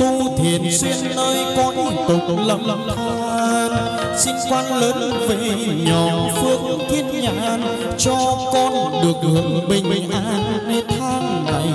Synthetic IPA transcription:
t̪u˧t̪ʰi˧˨ənsi˧ənːəː˧jkɔ˧n˨kʊ˨˩k͡p̚lə˧˩mt̪ʰa˧ | n | sḭ˧ŋkwa˧nləː˨˦n | ve˨˩ɲɔ˨˩fɨ˧ək̚t̪ʰi˦˥ət̚ɲa̰ː˧˥n | t͡ɕɔ˧kɔ˧nɗɨ˨˩ək̚hɨ˨əŋɓï˨˩ŋ̟˨ʔaː˧˥nne˧t̪ʰaː˧mna̰˧˩˨j

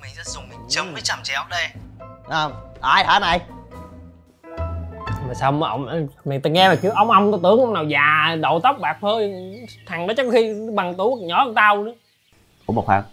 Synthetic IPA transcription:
mï˨˩˨sɛ˧˥zʊ˨˩ŋ͡mmi˨˩ŋt͡ɕə˨˦mə˨˦t͡ɕa˧mt͡ɕɛ˨˩˨ɗe˧ʔəː˨˩mʔaː˧˩jhaː˨˩˦na˨˩j | maː˨˩saː˧wmə˨˦ʔə˧wŋ͡mmɛ˨˩t̪ə˧˩ŋɛ˧maː˨˩kɨ˨˦ə˦ʔə˧˦wŋ͡mʔə˧wŋ͡mnɔ˧˨˦t̪ɨ˨˦əŋʔə˧ŋ͡mnaː˨˩wzaː˨˩ɗo̰˧˨t̪ə˦˥wp̚ɓaː˨˩k̚t̪ʰəː˧jt̪ʰa˨˩ŋɗɔ˨˦t͡ɕɔ˧wŋ͡mxi˧ɓa˨˩ŋt̪u˧˦ɲɔ˨˦˧t̪a˧wɗɨ˨˦ | ku˧˦mo˨˩t̚hwa̰ː˨˩˦

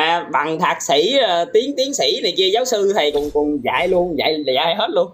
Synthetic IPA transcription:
aː˨˩ɓa˨˩ŋt̪ʰaː˨˩t̚sḭ˧˩˥əː˨˩t̪i˨˦əŋt̪i˨˦əŋsḭ˧˩˥na˨˩jki˧əzaː˨˦wsɨ˧t̪ʰa˨˩jkʊ˨˩nkʊ˨˩nza̰ː˧˨jlu˧ənza̰ː˧˨˩jaː˨˩˨a̰ː˧˨jɦe˦˥t̚lu˧ən

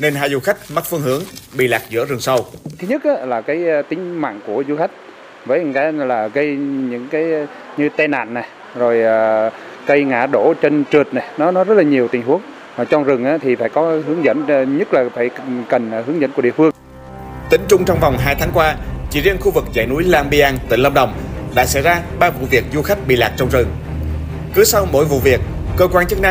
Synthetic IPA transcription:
ne˧nɦaː˧jzu˨˧˩xa˦˥jk̟̚ma˦˥t̚fɨ˧əŋhɨ˨˦əŋɓḭ˧˨laː˨˩k̚zɨ̰˧˥əzɨ˨˩əŋsə˧wt̪ʰɨ˨˦ɲə˦˥t̚ʔaː˨˦laː˨˩kaː˨˦jt̪ï˨˦ŋ̟ma̰ː˧˨nku˧˩əzu˧xa˦˥jk̟̚ | vəː˨˦jŋkaː˨˦laː˨˩ɣə˧jɲɨ̰˧˥ŋkaː˨˦j | ɲɨ˧t̪ɛ˧na̰ː˧˨nːa˨˩ | zo˨˩jʔaː˨˩ | kə˧jŋa̰ː˧˩ɗo˧˩t͡ɕe˧nt͡ɕɨ˨˩ət̚na˨˩jnɔ˨˦nɔ˨˦zə˦˥t̚laː˨˩ɲi˨˩əwt̪i˨˩ŋ̟ɦu˨˦əŋː˨˩ | t͡ɕɔ˧ŋzɨ˨˩ŋʔaː˨˦t̪ʰi˨˩faː˧˩jkɔ˨˦hɨ˨˦əŋzə̰˧˥n˧ɲə˦˥t̚laː˨˩faː˧˩jkə˨˩nː˨˩hɨ˨˦əŋzə̰˧˥nku˧˩əɗḭ˧˨əfɨ˧əŋ | t̪ï˨˦ŋ̟t͡ɕʊ˧ŋ͡mt͡ɕɔ˧wŋ͡mvwŋ͡mɦaː˧jt̪ʰaː˨˦ŋkwaː˧t͡ɕḭ˧˩zi˧ənxu˧vɨ˨˩k̚za̰ː˧˩jnu˨˦jlaː˧ŋɓi˧ʔaː˧ŋt̪ï˧˩ŋlə˧mɗə˨˩wŋ͡mɗa̰ː˧˥sɛ̰˧˥jzaː˧ɓaː˧vṵ˧˨vi˨˩ək̚zu˧xa˦˥jk̟̚ɓḭ˧˨laː˨˩k̚t͡ɕɔ˧wŋ͡mzɨ˨˩ŋ | kɨ˨˦sa˧wmo̰˧˥jvṵ˧˨vi˨˩ək̚ːəː˧kwaː˧nt͡ɕɨ˦˥k̚na˧

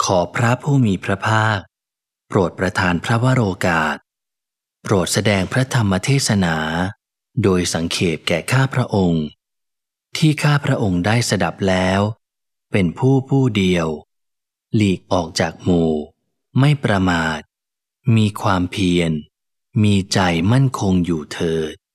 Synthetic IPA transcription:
kʰɔː˩˦pʰɾa˦˥pʰuː˥˩miː˧pʰɾa˦˥pʰaː˥˩k̚ | pɾu˨˩ət̪̚pɾa˧t̪ʰaː˧npʰɾa˦˥wa˦˥ɾoː˧kaː˨˩t̪̚ | pɾu˨˩ət̪̚sa˧dɛː˧ŋpʰɾa˦˥t̪ʰa˧mːa˧t̪ʰeː˥˩t̪̚sa˧naː˩˦ | doː˧jsa˩˦ŋkʰeː˨˩t̪̚kɛː˨˩kʰaː˥˩pʰɾa˦˥ʔo˧ŋ | t̪ʰiː˥˩kʰaː˥˩pʰɾa˦˥ʔo˧ŋdaː˥˩jsa˧da˨˩p̚lɛː˦˥w | pe˧npʰuː˥˩pʰuː˥˩di˧əw | liː˨˩k̚ʔɔː˨˩k̚t͡ɕaː˨˩k̚muː˧˩ | ma˥˩jpɾa˧maː˨˩t̪̚ | miː˧kʰwaː˧mpʰi˧ən | miː˧t͡ɕa˧jma˥˩nkʰo˧ŋjuː˨˩t̪ʰɤː˨˩t̪̚

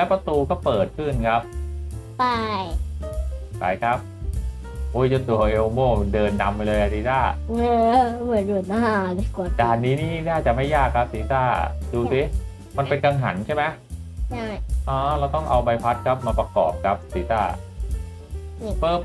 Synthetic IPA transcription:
lɛː˦˥wpɾa˧t̪uː˧kɔː˥˩pɤː˨˩t̪̚kʰɯ˥˩nkʰa˦˥p̚pa˥˩j | kʰa̰ː˩˦jkʰa˦˥p̚ | ʔo˧˦˥jt͡ɕa˧˩t̪u˨˩ɐʔe˧o˧moː˥˩dɤː˧nːa˧mlɤː˧jka˧t̪iː˦saː˥˩ɯː˧mɯ˨˩˦ndu˨˩t̪a˧a˩ku˨˩t͡ɕaː˨˩k̚niː˦˥niː˥naː˥˩t͡ɕa˨˩ma˥˩jːaː˥˩kʰːa˦˥p̚siː˨˩˦saː˥˩duː˧si˦˥ | ma˧npe˧nka˧ŋɦa̰˩˦nt͡ɕʰa˥˩jma˦˥j | a˥˩ʔɔː˧˩lːwt̪ɔ˥˩ŋʔa˧wba˧jpʰa˦˥t̪̚kʰa˦˥p̚maː˧pɾa˧kɔ̰ː˨˩p̚kʰa˦˥p̚siː˩˦saː˥˩ | pɤː˧˩

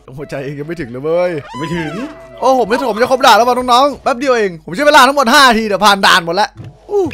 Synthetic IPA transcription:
ho˨˩t̪̚t͡ɕa˧jʔeː˧ŋɲa˨˧˩ma˥˩jt̪ɯ˨˩˦ŋlɯː˨˦˩mɤː˧jma˥˩jt̪ʰɯ˨˩˦ŋʔoː˧˩o˩˦mi˧˥˩o˩˦mt͡ɕa˧˩kʰo˦˥p̚daː˨˩lːwa˧˩nɔː˥nɔː˦˥˩ŋbɛː˦˥p̚di˧ə˧wʔeː˧ŋpʰo˩˦mt͡ɕa˧˥˩laː˧t̪ʰŋmo˨˩t̪̚haː˥˩na˧t̪ʰiː˧di˨˩wpʰaː˨˩nda̰ː˧nmo˨˩t̪̚lɛ˦˥ʔʔuː˧˩

